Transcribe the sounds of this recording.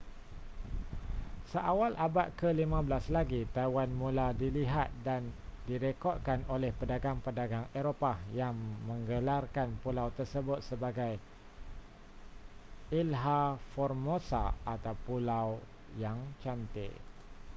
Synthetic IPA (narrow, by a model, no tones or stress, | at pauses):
səʔawalʔabaʔ̪̚kəlimãbəlaslaɡit̪ajwanmũladiliɦat̪̚dandiɾekɔt̪̚kanolɛhpədaɡaŋpədaɡaŋeɾopajaŋmə̃ŋɡəlarkanpulawt̪ərsəbʊt̪̚səbaɡaj | ilɦafɔrmosa̰at̪awpulaw | jaŋt͡ʃant̪ɪ̰ʔ